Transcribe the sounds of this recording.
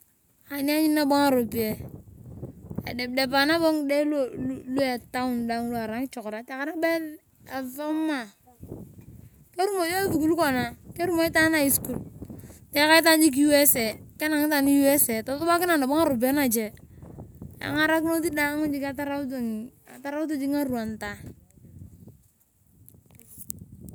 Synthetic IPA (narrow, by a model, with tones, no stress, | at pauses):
a˨ni˦a˦ɲi˦nːa˦bo˦ŋa˦˨ɾo˨bi˨e˨ | a̰˨de˨b̚de˨pa˨na˦bo˦ŋde˦llu˦a˨ta˦u˦˨nda˨ŋ˦lu˦a˨ɾa˨˦ŋ˦t͡ʃo˨kɾa˨te˨ka˨na˦be˦n | a˨va˦mːa˨ | ke˦ɾu˦mo˨jo˦vi˨ku˦lko˨na˨ke˦ɾu˦mo˨i˦ta˦na˦˨i˦sku˨ltɛ˨˦ka˦i˦t̬a˦nd͡ʒi˦k̬i˦ju˦e˦se˨ke˦na˨ŋi˦ta˨ni˦ju˦e˦se˨tɔ˨tɔ˦ba˦kɪ˦na˨na˨ba˦ŋa˦ɾu˨be˦na˨d͡ʒe˨ | a̰˨ŋa˦ɾa˦kno˦ti˦da˦ŋu˦d͡ʒi˦ka˦ta˦ɾa˦u˦tŋ | a˨ta˦ɾa˦u˦t̬u˦d͡ʒi˦ŋa˦ɾu˨a˨nta˨